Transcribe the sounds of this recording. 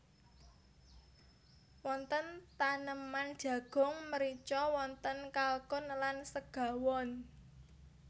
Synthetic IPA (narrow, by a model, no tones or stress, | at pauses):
wɔnt̪ənt̪anəmand̥ʒ̥ä̤ɡ̥ɔ̤ŋməɾit͡ʃɔwɔnt̪ənkalkʊnlansəɡ̥ä̤wɔn